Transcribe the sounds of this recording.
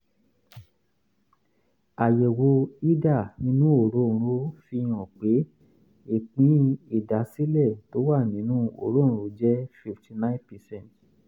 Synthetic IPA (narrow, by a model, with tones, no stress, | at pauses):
a˨je˨wo˨˧i˦da˦˨nĩ˧˦nũ˦o˦˨ɾõ˦˨˧ɾo˦fi˧j̃ɔ̃˨k͡pe˨˦ | e˨k͡pĩ˨˦i˦˨da˨˦si˦lɛ˦˨to˨˦wa˦˨nĩ˨˦nũ˦o˨ɾõ˦˨˧ɾo˨˦d͡ʒɛ˦fi˧ftʰi˧˨nã˦ĩ˦npɛ˨sɛ̃˦˨t